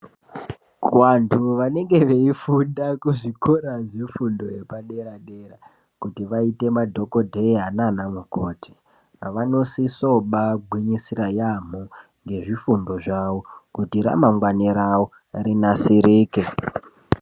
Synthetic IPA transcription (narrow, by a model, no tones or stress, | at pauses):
kwantʰuʋane̞ŋɡe̞ʋe̞ifundakuʐikʰoɾaʐifundo̞jepaɗe̞ɾaɗera | kutiʋaite̞madʱo̞ko̞dʱeiɦananamukoːtʰi̥ | ʋano̞siso̞ɓaɡʱwiɲisirajam̤u | ŋɡe̞ʐifundo̞ʐaʋokutiɾa̰maŋɡwaniɾao | rinasiɾiːke